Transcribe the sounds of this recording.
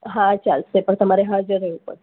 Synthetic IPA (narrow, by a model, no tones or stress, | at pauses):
ɦãt͡ʃalsepəɳt̪əmaɾeɦad͡ʑəɾepə̰ɽ